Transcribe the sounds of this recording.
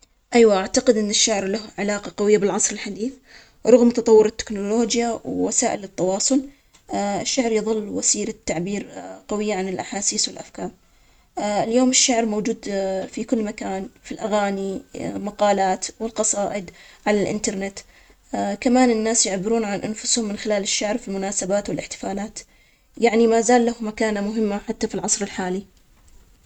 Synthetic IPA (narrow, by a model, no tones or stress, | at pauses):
ʔajwaʔaʕt̪aqɪd̪ʔɪnːɪʃːaʕɾlahʕɪlaːqɑqɑwɪjːabɪlʕɑsˤɾɪlħad̪iːθ | ɾˤʊɣmt̪ɑt̪ˤɑwːʊɾɪt̪ːɪ̥knʊloːd͡ʒjawwasaːʔɪlɪt̪ːɑwɑːsˤʊl | ɪʃːaʕɾjɨðˤɨlːwasiːɾat̪ːaʕbiːɾqawɪjːaʕanɪlʔaħaːsiːswɪlʔafkaːɾ | ɪljoːmɪʃːaʕɾmowd͡ʒuːd̪fikʊlːmakaːnfilʔaɣaːnimaqɑːlaːt̪wɪlqɑsˤɑːʔɪd̪ʕalalʔɪ̰nt̪ɑɾˤnɪt̪ | kamaːnɪnːaːsjɪʕbɪɾuːnʕanʔanfʊshʊmːɪnxɪlaːlɪʃːaʕɾfilmʊnaːsabaːt̪wɪlʔɪħt̪ɪ̥faːlaːt̪ | jaʕnimaːzaːlːahʊmakaːnamʊɦɪmːaħat̪ːafilʕɑsˤɾɪlħaːli